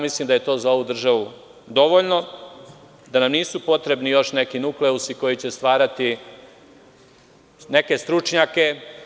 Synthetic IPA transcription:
mislimd̪aje̞t̪o̞ːzao̞ʋud̪r̩ʒaʋu | d̪o̞ʋoʎno̞ | d̪anamniːsupo̞t̪ɾe̞bnijo̞ʃne̞kinukleusiko̞jit͡ɕest̪ʋaːɾat̪i | ne̞ke̞st̪ɾut͡ʂɲake̞

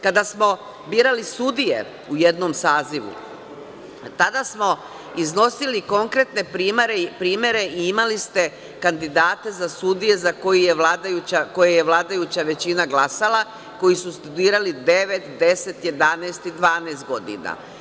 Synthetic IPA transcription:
kad̪asmo̞ | biːɾalisud̪ije̞̰ | ujed̪no̞msaːziʋṵ | t̪ad̪asmo̞ | izno̞siliko̞ŋkɾe̞t̪ne̞pɾiːmaɾepɾiːmje̞ɾe̞iimalist̪e̞ | kand̪id̪aːt̪e̞zasud̪ije̞zako̞jije̞ʋlad̪ajut͡ɕako̞jeje̞ʋlˠaːd̪ajut͡ɕaʋe̞t͡ɕinaɡlˠasalˠa | ko̞jisust̪ud̪iːɾalid̪e̞ʋe̞t̪d̪e̞se̞t̪je̞d̪aneːst̪id̪ʋaːnest̪̚ɡo̞d̪ḭna̰

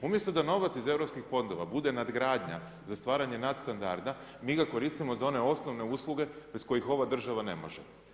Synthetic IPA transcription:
umje̞st̪od̪ano̞ʋat̪size̞vɾopskixfo̞nd̪o̞ʋabud̪e̞nad̪ɡɾaːd̪ɲa̰ | zast̪ʋaːɾaɲe̞nat̪st̪and̪a̰ɾd̪a | miːɡako̞ɾist̪imo̞zao̞ne̞o̞sno̞ʋne̞uːslˠuɡe̞besko̞jixo̞ʋad̪r̩ʒaʋane̞̰mo̞ʒḛ

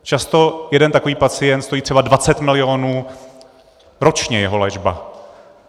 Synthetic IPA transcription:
t͡ʃast̪o̞jɛdɛnt̪ako̞viːpat͡sɪjɛnt̪st̪o̞jiːt̪r̥ɛbadvat͡sɛt̪mɪlɪo̞nuː | ɾo̞t͡ʃɲɛjɛɦo̞lɛʒba̰

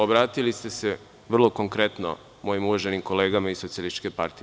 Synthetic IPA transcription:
obɾaːt̪ilist̪e̞se | ʋr̩lˠo̞ko̞ŋkɾe̞t̪no̰ | mo̞ːjimuʋaʒe̞nimko̞le̞ːɡamaisot̪sialist̪i̥t͡ʃkepa̰ɾt̪i

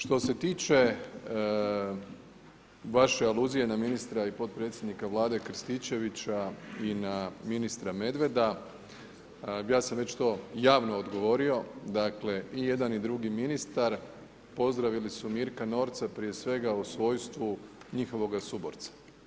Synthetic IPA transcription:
ʃt̪o̞se̞t̪iːt͡ʃe̞ | ʋaʃe̞alˠuːzije̞naminist̪ɾaipo̞t̪̚pɾe̞t̪sjed̪nikaʋlˠaːd̪e̞kɾ̩st̪it͡ɕe̞ʋit͡ɕainaminist̪ɾame̞d̪ʋe̞d̪a | jaːsamʋe̞t͡ɕt̪o̞ːjaːʋno̞ːd̪ɡo̞ʋo̞ɾio̞d̪akle̞ije̞d̪anid̪ɾuɡiminist̪aɾ | po̞zd̪ɾaʋilisumiːɾkano̞ːɾt̪sapɾije̞sʋe̞ɡausʋo̞jst̪ʋuɲixo̞ʋo̞ɡasubo̰ɾt̪sḁ

